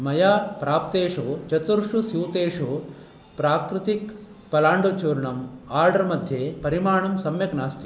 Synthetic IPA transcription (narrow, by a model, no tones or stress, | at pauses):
mɐjaːpɾaːp̚t̪eːʂut͡ʃɐt̪uɾʂusjuːt̪eːʂu | pɾaːkɾɪt̪ik | pɐlaːɳɖut͡ʃuːɾɳɐmaːɾɖɐɾmɐd̪ʱjepɐɾimaːɳɐmsɐmjɐknaːst̪i